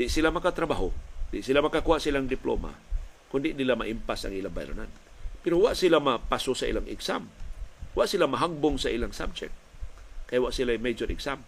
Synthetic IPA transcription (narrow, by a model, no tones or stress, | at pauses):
d̪ɪʔsilamɐkat̪ɾabaɦond̪ɪʔsilamɐkakuhaʔsilaŋd̪ɪplo̰ma̰kʊnd̪ɪʔnilamaʔimpasɐ̰ŋʔilaŋba̰jɾo̰na̰n | pɛɾowaʔsilamapasosaʔḭːlaŋʔɪ̰ɡsa̰mwaʔsilamaɦaɡ̚bʊŋsaʔilaŋsa̰b̚d͡ʒɛ̰k̚t̪̚kajwaʔsilajmejd͡ʒoɾʔɪ̰ksam